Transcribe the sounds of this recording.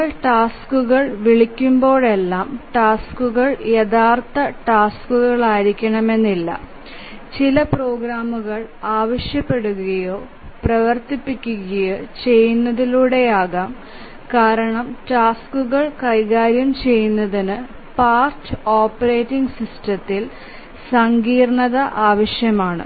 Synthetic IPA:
ɭʈaːskuɣɐɭʋiɭikʲːumbo̞ːɭe̞lːaːmʈaːskuɣɐɭjeðaːrt̪ɐʈaːskuɣɐɭaːjiɾikʲːɐɳɐme̞nːilːɐ̰ | t͡ɕilɐpro̞ːɡɾaːmuɣɐɭaːʋɐʂjɐpːe̞ɽuɣɐjo̞ː | prɐʋɐrt̪ipːikʲːuɣɐjot͡ɕe̞jːunːɐðiluːɽe̞jaːɣaːm | kaːɾɐɳɐmʈaːskuɣɐɭkɐjɣaːɾjɐmt͡ɕe̞jːunːɐðinɨ | paːrtɨoːpːɐɾe̞ːtːiŋɡsistɐt̪ːil | sɐŋɡiːrɳɐðɐʔaːʋɐɕjɐmaːɳɨ̰

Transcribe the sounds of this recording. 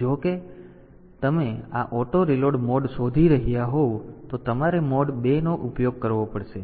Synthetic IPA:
d͡ʒoke | t̪əmeaʔɔʈoɾiloɖmɔɖsod̪ʱiɾəɦijaɦot̪ot̪əmaɾemɔɖbenoʔupjoɡ̚kəɾʋopəɽʃe

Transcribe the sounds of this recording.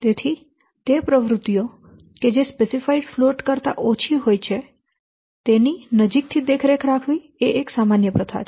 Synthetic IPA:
t̪et̪ʰi | t̪epɾəʋɾʊt̪ːijo | ked͡ʒespesifaiɖfloʈkəɾt̪a̰ʔot͡ʃʰiɦojt͡ʃʰe | t̪eninəd͡ʒik̚t̪ʰid̪ekʰɾekʰɾakʰʋi | eʔeksamanjəpɾət̪ʰa̰t͡ʃʰ

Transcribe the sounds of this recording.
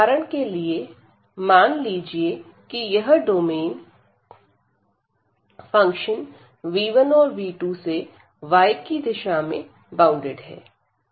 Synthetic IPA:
aːɾəɽ̃kelie | maːnliːd͡ʒie | kijɐɦɖoːmeːn | fɐ̃ŋkʃən | ʋiːʋənɔːɾʋiːʈuse | ʋaːɪkːid̪ɪʃamḛ̃ | bãːʊ̃ɳɖɪɖɦɛ̰ː

